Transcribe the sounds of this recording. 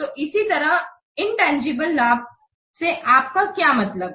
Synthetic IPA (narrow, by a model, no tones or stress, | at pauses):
t̪oʔɪsit̪əɾəɦ | ɪɳʈãnd͡ʒibəlːaːb̚ | seʔaːp̚kakjamɐt̪ləb